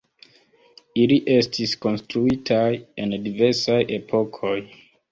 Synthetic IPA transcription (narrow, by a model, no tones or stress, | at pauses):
iliʔe̞stʰisko̞nstɾuitʰajendive̞ɾsajʔe̞pʰo̞kʰo̞j